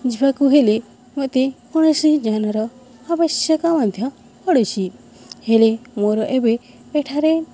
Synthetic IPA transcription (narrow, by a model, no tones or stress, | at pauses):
d͡ʒibakuɦele | mɔʔt̪ekɔɽ̃ɔsid͡ʒanɔɾɔ | abɔsjakamad̪ʱjɔ | ɔɽut͡ʃʰi | helemoɾɔʔebe | pɛʈʰaɾe